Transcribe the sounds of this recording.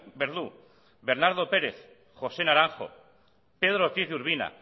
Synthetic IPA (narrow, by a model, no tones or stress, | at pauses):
beɾðu | beɾnaɾð̞o̞pe̞ɾe̞θ | xo̞se̞naɾaŋxo̞̰ | pe̞ð̞ɾot̪iθðuɾβ̞ina̰